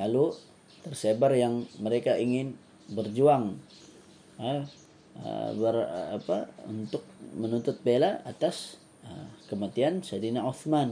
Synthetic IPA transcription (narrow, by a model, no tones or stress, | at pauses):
lalu | t̪ərsebarjaŋməɾekaiŋɪn | bərd͡ʒuaŋ | ə | ə̰bəra̰pa̰ṵnt̪ʊk̚mənunt̪ʊt̪̚belaat̪as | ə̰kəmat̪iansadinauθman